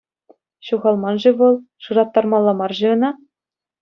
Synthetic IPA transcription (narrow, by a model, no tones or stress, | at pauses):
ɕuʁɑlˠmɑnʐɘ̆ʋɤ̆lˠ | ʂɯɾɑt̪ːɑrmɑlˠːɑmɑrʑɘ̆ɤ̆nɑ